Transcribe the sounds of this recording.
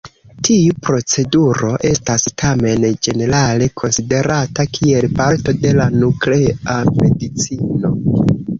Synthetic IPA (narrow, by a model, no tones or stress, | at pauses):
tʰiupɾo̞t͡se̞duɾo̞ʔe̞stastʰame̞nd͡ʒe̞ne̞ɾale̞kʰo̞nside̞ɾatakʰie̞lpaɾto̞de̞lanukleame̞dit͡sino̞